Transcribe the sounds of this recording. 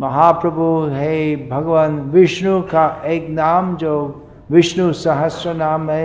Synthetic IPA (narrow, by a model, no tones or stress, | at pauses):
mɐɦaːpɾɐbʱuɦɛbʱɐɡʋənʋɪʃnukaʔeːknaːmd͡ʒoː | ʋɪʃnusɐɦəsjənaːmɦɛ